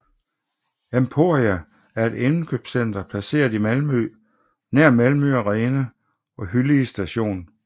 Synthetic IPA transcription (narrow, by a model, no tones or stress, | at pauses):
empʰo̝ːɐʁiæ | æɐe̝d̥enn̩kʰøb̥sen̰d̥ɐpʰlæse̝̰ːɐðˠimælmø | næɐ̰mælmøɒʁɛːnə | ɒ̽ɦylisd̥æɕo̝̰ːn